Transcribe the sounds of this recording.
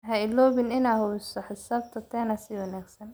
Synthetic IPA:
ɦɐɪlɔːβɪnɪnaːɦʊɪsɐħɪsaːbt̪ʰɐt̪ʰɛːnɐsɪwɑnaːɡsɐn

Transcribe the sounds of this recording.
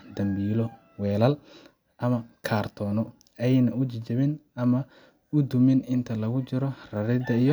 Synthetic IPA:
d̪ɐmbiːlɔ | wɛːlɐl | ʔɐmɐkʰaːrt̪ʰɔːnɔ | ɛjnɐʊt͡ʃɪt͡ʃɐβɪnɐmɐ | ʊd̪ʊmɪnɪnt̪ʰɐlɐɣʊt͡ʃɪɾɔrɐɾɪd̪ɐijɔ

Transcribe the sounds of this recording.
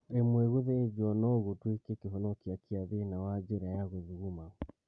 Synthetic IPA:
emweɣuðed͡ʒɔnɔɣutwikekeɦɔnokiakiaðenawad͡ʒeɾajaɣoðiɣuma

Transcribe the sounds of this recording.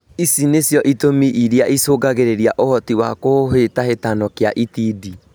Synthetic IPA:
isinesjɔʔitomiʔiɾjaʔisoːɡaɣeɾeɾjaʔohɔtiwakoɦetahetanɔkeaʔitiːdi

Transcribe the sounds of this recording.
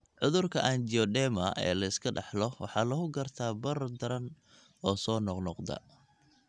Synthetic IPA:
ʕʊðʊrkʰɐʔand͡ʒiɔɖɛːmɐʔɛ̰ːlɐɪskʰɐɖɑħlɔwɑ̰ħɑːlɐɣʊɡɐrt̪ʰaːbɐrd̪ɐɾɐn | ɔːsɔːnɔqnɔqd̪ɐ̰

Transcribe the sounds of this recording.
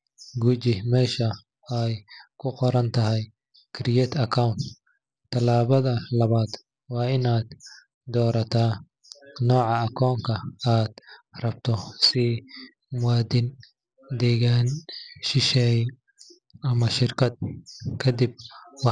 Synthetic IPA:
ɡuːt͡ʃɪmɛːʃɐ | ɛjkʰʊqɔɾɐnt̪ʰɐɦɛj | kʰɪɾɪjɛːt̪ʰɐkʰawnt̪ | t̪ʰːɐlaːβɐðɐlɐβaːd̪ | wɑːɪnaːd̪ | d̪ɔːɾɐt̪ʰaː | nɔːʕɑɐkʰɔːŋkʰɐaːd̪rɐbt̪ʰɔsɪ | mʊwɑːd̪ɪn | d̪ɛːɣaːnʃɪʃɛj | ʔɐmɐʃɪrkʰɐd̪̚kʰɐd̪ɪb̚wɑ

